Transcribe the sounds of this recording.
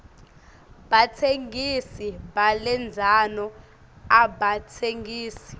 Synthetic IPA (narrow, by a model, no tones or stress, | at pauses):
bat͡sʰeŋɡisiɓalɛnd͡zʱanɔ | aɓatʰeŋiːsi̥